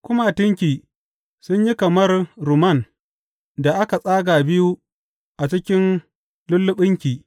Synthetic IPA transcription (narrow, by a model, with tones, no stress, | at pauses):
kʷʊ˦ma˦˨tɪ˦ŋkʲiː˨ | sʊ˦ɲji˦kɐ˨mɐ˦rɾʊ˨mɐ˦˨n | da˨ʔa˦ka˨sʼaː˦ɡaː˨bɪ˦ju˦ | ʔa˨t͡ʃɪ˦kʲɪ˦n | lʊ˦lːʊ˦ɓɪ˦ŋkʲiː˨